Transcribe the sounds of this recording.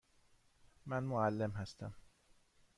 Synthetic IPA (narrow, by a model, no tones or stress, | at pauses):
mænmoælːemɦæst̪æ̰m